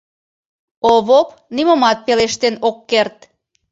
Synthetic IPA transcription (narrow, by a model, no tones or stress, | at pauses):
oβop | niməmɑt̪̚peleʃt̪enokːert̪̚